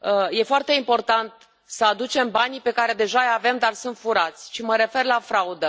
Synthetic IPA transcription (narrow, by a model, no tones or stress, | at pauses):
je̞foart̪e̞impo̞rt̪ant̪ | səad̪ut͡ʃe̞mbanipe̞kaɾe̞d̪e̞ʒajave̞md̪arsunt̪fuɾat̪sʲʃiməɾe̞fe̞rlafɾaud̪ə